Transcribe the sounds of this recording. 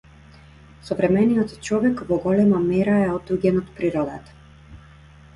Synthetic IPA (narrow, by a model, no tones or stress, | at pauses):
sɔvɾɛmɛnijɔt̪t͡ʃɔvɛkvɔɡɔlɛmamɛɾaɛɔt̪uɡɛnɔt̪pɾiɾɔd̪at̪ḁ